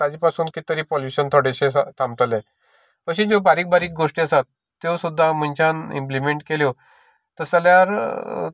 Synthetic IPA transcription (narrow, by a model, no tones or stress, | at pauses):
t̪ad͡ʑipasuːnkit̪əɾiːpɔljuɕənt̪ʰoɽeɕet̪ʰãmt̪əlẽ | kəɕid͡zobaɾiːk̚baɾiːk̚ɡoʂʈiːəsat̪ː | oʋsud̪ʱːamənt͡ɕanḭmplimeɳʈkeljo | t̪əɾsəljaɾ